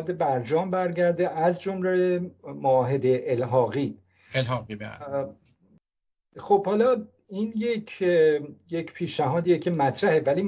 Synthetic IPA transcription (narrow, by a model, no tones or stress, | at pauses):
d̪e̞bæɾd͡ʒɒːmbæɾɟæɾd̪eʔæzd͡ʒomlemoɒːɦe̞d̪eʔːlɦɒːɣiː | elhɒɣḭ | xob̥hɒːlɒː | iːnjecʰ | jecʰpʰiːʃnæɦɒːd̪iːjecʰemæt̪ʰɾæhe̞væliː